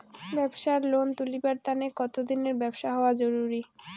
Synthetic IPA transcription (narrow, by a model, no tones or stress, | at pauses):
bɛbʃaɾlont̪ulibaɾt̪anekɔt̪od̪ineɾbɛbʃaɦɔoad͡ʑoɾuɾi